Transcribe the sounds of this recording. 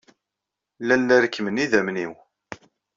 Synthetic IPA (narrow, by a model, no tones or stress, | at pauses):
lælːæɾəkːməniðæmniw